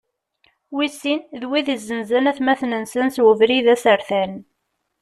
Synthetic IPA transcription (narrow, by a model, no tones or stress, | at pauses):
wisinðwiðizːənzænæθmæθnənsənswəvɾiðæsəɾθæn